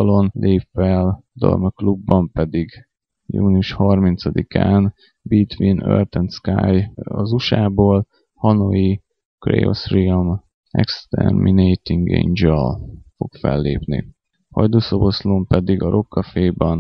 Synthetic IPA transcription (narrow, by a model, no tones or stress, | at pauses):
ɒlo̞nlʔeːpfɛld̪o̰lmøklubːɒmpɛd̪iɡ | juːniuʃhɒrmint̪sɒd̪ikaːn | bit̪ʋinø̰rt̪ɛnt̪skaːjɒ̰zuʃaːboːl | hɒnoi | krḛːo̰srim | ɛ̰kst̪ɛ̰rminejt̪iŋɡḛɲd͡ʒɛlfo̞kfɛ̰lːeːpnḭ | hɒjd̪oːsoboslompɛd̪iɡɒɾʔo̞kːɒfeːbɛn